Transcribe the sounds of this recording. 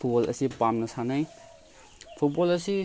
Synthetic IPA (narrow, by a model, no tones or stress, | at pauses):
pʰubɔlɐ̰sipamnɐsanaj | pʰut̚bɔlɐsi